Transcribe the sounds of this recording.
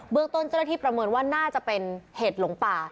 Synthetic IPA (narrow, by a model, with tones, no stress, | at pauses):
bɯ˥əŋt̪o˥˩nt͡ɕːna˥t̪ʰiː˥˩pɾa˧mɤː˧nwaː˥˩naː˥˩t͡ɕa˨˩pe˧nheː˨˩t̪̚lo˩˦ŋpaː˨˩